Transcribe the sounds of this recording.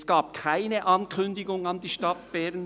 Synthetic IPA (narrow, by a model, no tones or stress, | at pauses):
sɡ̥aːp̚kʰaɪnəʔɑnkʰʏnd̪ɪɡʊŋɑndiːʃtɑt̪b̥ɛʁn